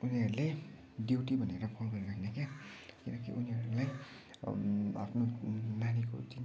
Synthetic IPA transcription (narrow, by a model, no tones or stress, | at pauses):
uniɦʌɾule | djewʈibʱʌneɾʌbʰʱolbʱʌlrakʰinakjakinʌk̬ḭʔuniɦʌɾulaj | a̰pʰnonaniko̰d͡zin